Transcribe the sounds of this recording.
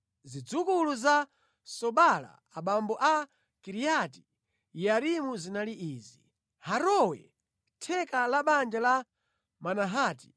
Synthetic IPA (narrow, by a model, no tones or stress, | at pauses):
zid͡zukuluza | sɔɓala̰ | aɓambɔʔa | kiɾijati | jaɾimuzinaliʔiːzi | haɾɔwɛ̰ | tʰɛkalaɓand͡ʒala | manaɦaːti̥